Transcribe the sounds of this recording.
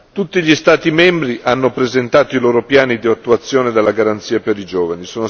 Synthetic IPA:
t̪ut̪ːiʎist̪aːt̪imɛmbɾiʔanːopɾezent̪aːt̪oiloːɾopjaːnid̪iat̪ːuat̪sːjoːned̪alːaɡaɾant̪siːapeɾid͡ʒoːvanisoːno

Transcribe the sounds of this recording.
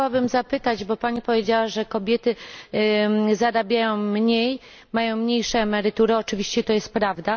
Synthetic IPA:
awabɘmzapɘt̪ad͡ʑbɔpaɲipɔvʲjed͡ʑawaʐɛkɔbʲjɛt̪ɘ | zaɾabʲjajɔ̃w̃mɲej | majɔ̃w̃mɲejʂɛːmɛɾɘt̪uɾɘɔt͡ʂɘvʲiɕt͡ɕɛt̪ɔjɛst̪̚pɾavd̪a

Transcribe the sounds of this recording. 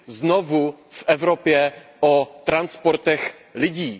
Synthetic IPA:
znovufʔɛvɾopjɛʔot̪ɾanspoɾt̪ɛx | lɪɟiː

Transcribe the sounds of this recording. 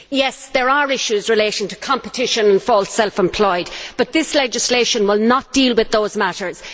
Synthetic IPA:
jɛsðə˞əɹɪʃuzɹɪleɪɾɪ̃ŋtʰə̥kʰɑ̃mpətʰɪʃə̃nə̃nfɔlˠtsɛlˠfɛ̃mpʰl̥ɔɪdb̥ʌt̪̚ðɪslɛd͡ʒɪsleɪʃə̃nwɪlˠnət̚d̥ilˠwɪðoʊzmaɾə˞z̥

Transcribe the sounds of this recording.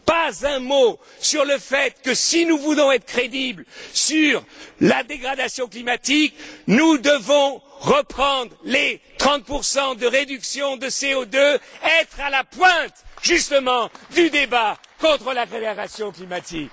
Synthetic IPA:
pazɛ̃mo | syʁləfɛt̪kəsinuvulɔ̃ɛt̪χəkχed̪iblsyʁlad̪eɡʁad̪asjɔ̃klimat̪iknud̪əvɔ̃ʁəpχɑ̃d̪ʁlet̪χɑ̃t̪̚puʁsɑ̃d̪əʁed̪yksjɔ̃d̪əseod̪øɛt̪χalapwɛ̃t̪ʒyst̪əmɑ̃d̪yd̪ebakɔ̃t̪χəlaʁed̪aʁasjɔ̃klimat̪ik

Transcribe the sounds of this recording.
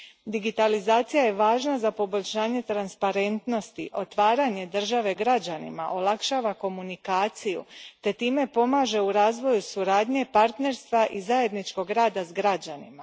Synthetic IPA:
d̪iɡit̪alizaːt̪sijaje̞ʋaːʒnazapo̞bo̞ʎʲʃaːɲe̞t̪ɾanspaɾe̞nt̪no̞st̪ḭʔo̞t̪ʋaːɾaɲe̞d̪r̩ʒaʋe̞ɡɾad͡ʑanḭma̰ʔo̞lˠakʃaːʋako̞munikaːt̪sijṵt̪e̞t̪iːme̞po̞maːʒe̞uɾaːzʋo̞jusuɾaːd̪ɲe̞paɾt̪ne̞ɾst̪ʋaʔizaje̞d̪nit͡ʃko̞ɡɾaːd̪azɡɾad͡ʑanima

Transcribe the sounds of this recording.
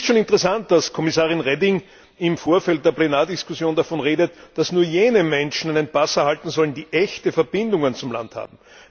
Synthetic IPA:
stʃoːnɪntəʁɛsant̚d̥askʰɔmɪsaːʁɪnʁɛdɪŋ | ɪmfoːɐfɛlt̚d̥eːɐplenaːɐdɪskʊsjoːndafɔnʁeːdətd̥asnuːɐjeːnəmɛnʃn̩æɪnənpasɐhaltn̩zɔləndiːʔɛçtəfɛɐbɪndʊŋənt͡sʊmla̰ntha̰ːb̚m̩

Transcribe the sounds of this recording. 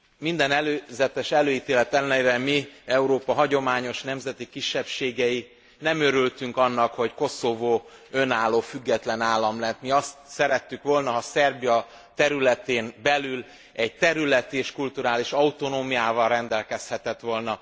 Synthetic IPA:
mind̪ɛnɛløːzɛt̪ɛʃɛløːjiːt̪eːlɛt̪ɛlnɛiɾɛmiɛuɾoːpɒɦɒɟo̞maːɲo̞ʃnɛmzɛt̪ikiʃːɛpʃeːɡɛji | nɛmø̞ɾylt̪yŋkɒnːɒkho̞cko̞sovoːønaːlːoːfyɡːɛt̪lɛnaːlːɒmlɛnt̪miɒst̪sɛɾɛt̪ːykʋo̞lnɒɒsɛrbijɒ | t̪ɛɾylɛt̪eːnbɛlyl | ɛɟ̚t̪ɛɾylɛt̪iːʃkult̪uɾaːliʃɒut̪o̞noːmijaːvɒrrɛnd̪ɛlkɛshɛt̪ɛt̪ʋo̞lnɒ

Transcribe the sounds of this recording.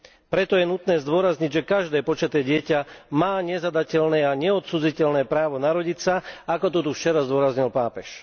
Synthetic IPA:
pɾɛt̪ɔjɛnut̪nɛːzd̪ʊɔɾazɲiɟʒɛkaʒd̪ɛːpɔt͡ʃat̪ɛːɟɪɛcamaːɲɛzad̪acɛʎnɛːaɲɛɔt̪suːd͡zicɛʎnɛːpɾaːʋɔnaɾɔɟicsaakɔt̪ɔt̪uft͡ʃɛɾazd̪ʊɔɾazɲilpaːpɛʃ

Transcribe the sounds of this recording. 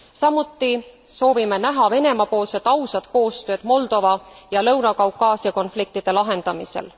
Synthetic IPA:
sɑmut̪ˑːi | so̞ːvime̞næɦɑve̞ne̞mɑpo̞ːlse̞d̪̥ɑwsɑd̪̥ko̞ːst̪ø̞ːd̪̥mo̞ld̪̥o̞vɑjɑlɤwnɑkɑwkːˑɑːsiɑko̞nflik̚t̪id̪̥e̞lɑɦe̞nd̪̥ɑmise̞̰l

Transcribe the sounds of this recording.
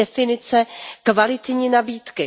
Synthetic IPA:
ɛfɪnɪt͡sɛkvalɪt̪ɲiːnabiːt̪kɪ

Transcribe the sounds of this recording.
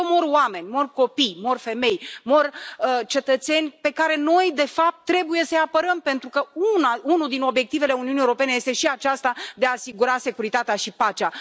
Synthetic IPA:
omo̞rwame̞nʲmo̞rko̞pijmo̞rfe̞me̞jmo̞rət͡ʃe̞t̪ət̪se̞nʲpe̞kaɾe̞no̞jd̪e̞fap̚t̪ːɾe̞buje̞səjapəɾəmpe̞nt̪ɾukəunaunuld̪ino̞bje̞k̚t̪ive̞le̞uniuniewoɾo̞pe̞neje̞st̪e̞ʃiat͡ʃast̪ad̪eaːsiɡuɾase̞kuɾit̪at̪eaʃipat͡ʃea

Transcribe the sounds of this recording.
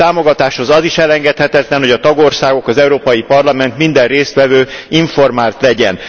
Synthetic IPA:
aːmo̞ɡɒt̪aːʃho̞zɒziʃɛlɛŋɡɛt̪hɛt̪ɛt̪lɛnho̞ɟɒt̪ɒɡo̞rsaːɡo̞kɒzɛuɾoːpɒjipɒrlɒmɛnt̪mind̪ɛrreːst̪ʋɛvøːiɱfo̞rmaːlt̪lɛɟɛn

